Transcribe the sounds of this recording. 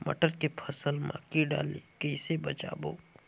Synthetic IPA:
mə̰ʈəɾkepʰəsəlmã̰kiɖa̰ːlekəɪsebət͡ʃa̰bo

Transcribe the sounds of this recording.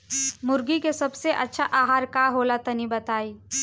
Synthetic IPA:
mʊɾɡikesɐbseʔɐtːʃʰaʔaːɦaːɾkaːɦoːlat̪ɐnibɐt̪aːiː

